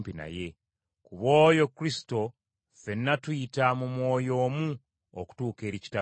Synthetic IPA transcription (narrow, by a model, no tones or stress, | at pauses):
pina̰je̞ | kuβo̞ːjo̞kːɾisi̥to̞ | fe̞nːatwuitamumwo̞ːjo̞ːmu | oku̥tuːke̞ːɾici̥ta